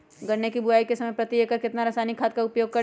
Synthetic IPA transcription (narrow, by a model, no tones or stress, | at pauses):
ɡɐɽnekibʊaːikesɐməjpɾɐt̪iekaɾkɪt̪naɾɐsaːnikʰaːd̪̚kaʊpjoːɡ̚kɐɾ